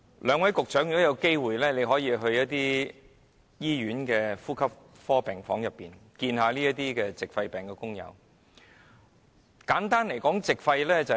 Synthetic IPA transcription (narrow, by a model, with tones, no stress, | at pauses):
lœː˨˧ŋwɐ˨˥jkʊ˨k̚t͡ʃœ˨˥ŋjy˨˩ɔ˥jɐ˨˧wke˥jwuː˨jlɛː˥ne˨˧jɦɔː˨˥jiː˧ɦɵ˧ɥjɐ˥t̚t̪iː˥ | jiː˥jyː˨˥nkɛː˧fuː˥kʰɐ˥p̚ | fɔː˥pɛː˨˩ŋfɔː˨˥ŋjɐ˨pːiː˨˩nkiː˧nɦaː˨˧liː˥ɐ˥t̪iː˥kɛː˧t͡sɪ˨k̚fɐ˧jpɛː˨ŋkɛː˧kʊ˥ŋjɐ̰˨˧w | kaː˨˥nt̪aː˥nle˨˩jkɔː˨˥ŋt͡sɪ˨k̚fɐ˧jlɛː˥t͡sɐ˨